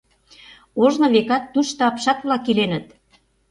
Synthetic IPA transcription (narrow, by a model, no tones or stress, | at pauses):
oʒnɤ̆βekɑt̪ːuʃt̪ɤɑpʃɑt̪βlɑkilenə̆t̪